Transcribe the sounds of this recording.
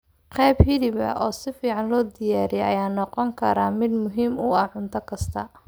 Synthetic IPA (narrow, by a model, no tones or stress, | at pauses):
qɛjbhɪlɪβɐ̰ʔɔːsɪfiːʕɑnlɔːd̪ɪjaːɾɪjɛɐjaːnɔqɔŋkʰɐɾaːmɪd̪mʊɦiːmʊɐʕʊnt̪ʰɐkʰɐst̪ʰɐ